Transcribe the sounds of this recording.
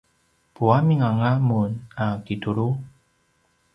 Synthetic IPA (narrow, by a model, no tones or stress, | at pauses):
puamiŋaŋamunakituɾu